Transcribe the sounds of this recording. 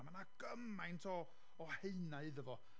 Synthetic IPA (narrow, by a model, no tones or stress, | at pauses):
manaɡ̥əmajntʰɔː | heɨnaɨðəvɔ